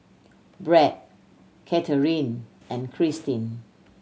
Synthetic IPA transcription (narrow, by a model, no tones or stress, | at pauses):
bɹɛt̚ | kʰɛtʰəɹĩn | ɛ̃nkʰɹistĩn